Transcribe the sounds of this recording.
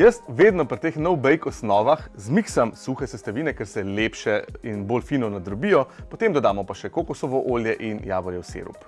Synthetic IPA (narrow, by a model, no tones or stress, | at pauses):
jəst̪ʋeːd̪nɔpɾit̪eːxnɔwbɛjkɔsnɔːʋaxzmiksamsuxɛsɛst̪aʋiːnɛkɛɾsɛleːpʃɛinbolfiːnɔnad̪ɾɔbijɔpɔt̪emd̪ɔd̪aːmɔpaʃɛkokusɔʋɔʔoːljɛʔinjaːbɔɾjɛwsḛːɾṵp